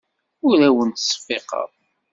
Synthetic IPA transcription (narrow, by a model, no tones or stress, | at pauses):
ʊɾæwənt̪sˤfːeqɑ̰ðˤ